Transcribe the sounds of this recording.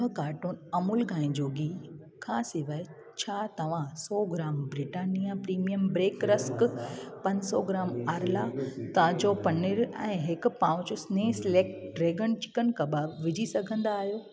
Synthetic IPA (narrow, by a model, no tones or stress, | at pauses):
kaːɾʈonɐmulɡʱãːĩd͡ʑoːɡi | kʰaːsiʋəɪ | t͡ɕʰaːt̪ɐʋ̤ãsɔːɡɾaːmbɾɪʈaːnijãpɾiːmijəmbɾeːkɾəskpɐ̃ɲsɔɡɾaːmaːɾlat̪ãːd͡ʑopɐnɪɾɛ̰̃ːɦɪkpãːʋʊ̃d͡ʑosneːsleːk̚ʈɖɾeːɡənt͡ɕɪ̥kənkɐbaʋɪd͡ʑʱisɐɡʱə̃nd̪aːɦijoː